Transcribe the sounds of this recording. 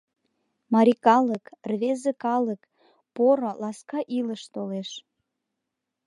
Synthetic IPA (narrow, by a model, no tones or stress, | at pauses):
mɑɾʲikɑləkrβezəkɑlək | poɾolɑskɑʔiləʃt̪oleʃ